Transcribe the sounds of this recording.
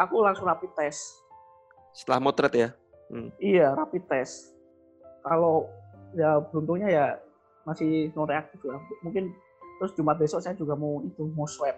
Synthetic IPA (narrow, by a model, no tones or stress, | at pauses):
ʔakulaŋsʊŋrapit̪ɛs | sə̥t̪əlahmot̪ɾət̪ja | ijaɾapit̪ɛs | kalojabɾunt̪ʊŋɲaja | masɪhnɔɾeak̚t̪ɪflahmuŋkɪn | t̪ɾʊsd͡ʒumat̪̚besɔʔsajad͡ʒuɡamoit̪umoswɛt̪̚